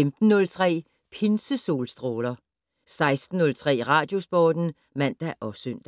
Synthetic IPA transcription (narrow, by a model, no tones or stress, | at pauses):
emd̥n̩ːɔ̽lt͡sʰʁɛ̰ː | pʰensəso̝̰ːlsd̥ʁoːlɐ | sɑ̈ɪsd̥n̩ːɔ̽lt͡sʰʁɛ̰ːʁɑ̈ːd̥jo̝sb̥ɒːd̥n̩ | mæn̰d̥æʔɒ̽søn̰d̥æ